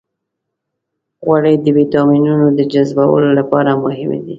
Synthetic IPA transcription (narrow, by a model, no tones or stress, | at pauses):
ɣwaɽəjd̪əwit̪ɑminunod̪əd͡ʒazbawə̰lolapɑɾamʊhɪmḛd̪i